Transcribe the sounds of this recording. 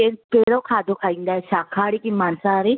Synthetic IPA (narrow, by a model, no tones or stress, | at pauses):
epeɾokʰaːd̪ʱokʰaːĩnd̪aesakʰaːɽikimaːnsaːɾi